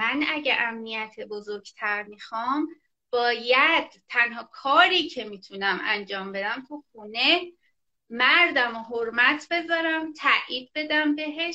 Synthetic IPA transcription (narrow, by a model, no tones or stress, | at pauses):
ænæɟeʔæmnijæt̪ʰebozoɾɡt̪ʰæɾmixɒːm | b̥ɒːjæd̪̥t̪ʰːænɦɒːkʰɒːɾiːcʰe̞miːt̪ʰunæmænd͡ʒɒːmbe̞d̪æmt̪ʰuxuːne̞ | mæɾd̪æmoɦoɾmæt̪ʰbe̞zɒːɾæmt̪ʰæʔiːd̪̚be̞d̪æmbe̞ɦeʃ